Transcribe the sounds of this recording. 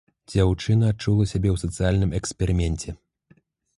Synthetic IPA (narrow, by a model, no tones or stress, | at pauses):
d͡zʲawt͡ʂɨnɐːt͡ʂulˠɐsʲabʲɛwsɐt̪sɨjalʲnɨmɛkspʲɛɾɨmʲɛnʲt͡sʲɛ